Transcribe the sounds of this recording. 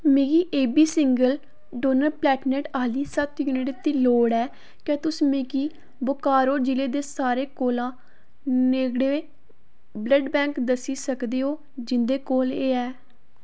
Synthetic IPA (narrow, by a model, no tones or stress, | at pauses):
meːɡiːʔeːbiːsɪŋɡəl | ɖoːnəɾplɛːʈneːʈaːliːsət̪juːnɪʈt̪ːiːloːɽɛː | kɛ̃ːt̪ʊsmeːɡiː | bʊkaːɾoːd͡ʒɪleːd̪eːsaːɾeːkoːlãː | neːɡɽeː | bləɖbɛ̃ːŋkd̪əsiːsəkd̪eːɦoː | d͡ʒɪnd̪eːkoːleːɛː